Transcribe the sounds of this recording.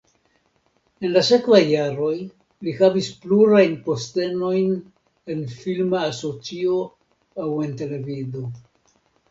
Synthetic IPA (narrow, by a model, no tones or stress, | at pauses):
e̞nlase̞kvajːaɾo̞j | lihavispluɾajnpo̞ste̞no̞jn | e̞nfilmaːso̞t͡sio̞ | awe̞nte̞le̞vido̞